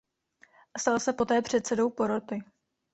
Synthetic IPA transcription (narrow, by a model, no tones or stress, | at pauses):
st̪alsɛpo̞t̪ɛːpr̝̥ɛt̪sɛdo̞wpo̞ɾot̪ɪ